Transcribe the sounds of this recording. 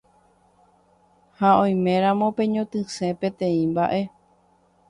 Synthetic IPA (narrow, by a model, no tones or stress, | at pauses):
haõj̃mẽ̞ɾ̃ãmõpẽ̞ɲõt̪ɨ̃sẽ̞pẽ̞t̪ẽ̞ĩmbaʔe̞